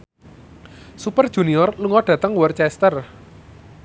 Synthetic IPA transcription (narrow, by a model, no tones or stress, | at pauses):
supərd̥ʒ̥ṳniɔrluŋɔɖ̥ä̤t̪əŋwɔrt͡ʃɛst̪ər